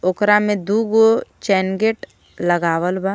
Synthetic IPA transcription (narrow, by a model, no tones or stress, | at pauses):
okɾamẽd̪uɡot͡ʃɛːnɡeʈ | ləɡaːʋəlba